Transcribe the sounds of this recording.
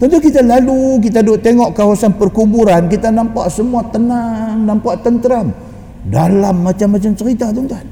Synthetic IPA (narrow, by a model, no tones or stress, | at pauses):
t̪ɔnt̪ukit̪alaluk̬it̪adoʔt̪eŋɔʔkawasanpərkubuɾankit̪anampaʔsəmuat̪ənanampaʔt̪ənt̪əɾam | dalamːat͡ʃamːat͡ʃamt͡ʃəɾit̪at̪ɔŋt̪a